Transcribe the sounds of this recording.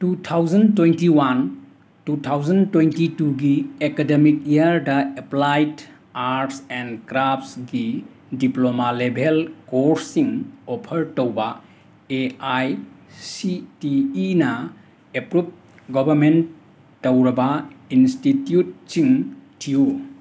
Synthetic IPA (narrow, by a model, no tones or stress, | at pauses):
tutʰawd͡ʒɐntwentiwan | tutʰawzɐntwentituɡiekedemik̚iaɾdɐeplajt | aɾtsɛnkɾapsɡi | diplomalebʱelkoɾsiŋopʰɐɾtowbɐ | eajsitiːnɐ | epɾup̚ | ɡɔbʱɐɾmentː | owɾɐbɐinstitjut̚siŋtʰijo